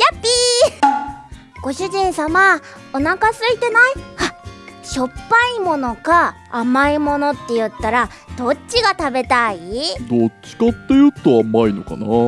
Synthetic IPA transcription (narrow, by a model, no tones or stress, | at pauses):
japːi | ɡ̥o̞ɕɨʑĩɰ̃sama | o̞nakasɨit̪e̞naihaɕo̞pːaimo̞no̞kaː | maimo̞no̞t̪ːe̞jɯ̟t̪ːaɾa | d̪̥o̞t͡ɕɕiɡat̪abe̞t̪aid̪ot͡ɕi̥kat̪ːe̞jɯ̟t̪ːoamaino̞ka̰na